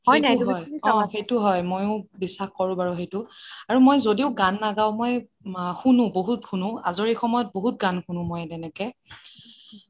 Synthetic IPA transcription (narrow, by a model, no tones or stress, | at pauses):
xɔejnajɦjɔ̃xejtʊɦɔjmojʊ̃bisːaxkɔɹʊ̃baɹʊxejtʊaɹumojzodiʊɡanːaɡaw̃moj | xunʊ̃boɦutxʰunʊ̃a̰zoɹixɔmɔjɔt̚boɦut̚ɡanxunʊ̃mojtɛnɛkɛ